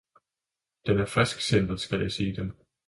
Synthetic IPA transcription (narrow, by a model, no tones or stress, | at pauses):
d̥enæɐfʁɛsɡ̥send̥ɐðˠsɡ̥æljʔaɪseːd̥em